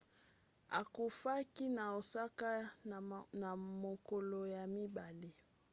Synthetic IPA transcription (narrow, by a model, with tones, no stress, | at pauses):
a̰˨ko˨fa˦ki˦na˨o˨sa˦ka˦ | na˨mo˨ko˨lo˨ja˨mi˦ba˨li˦